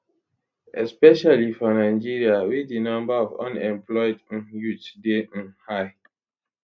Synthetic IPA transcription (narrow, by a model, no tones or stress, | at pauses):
ɛspɛʃalifɔnaɪd͡ʒiɹiawidinʌ̃mbaɔvɔ̰̃nɛ̃mplɔɪd̩jutden̩haɪ